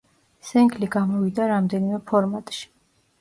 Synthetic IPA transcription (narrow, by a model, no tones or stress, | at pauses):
sɛŋɡliɡamɔvid̪aɾamd̪ɛnimɛpʰɔɾmat̪ʼʃi̥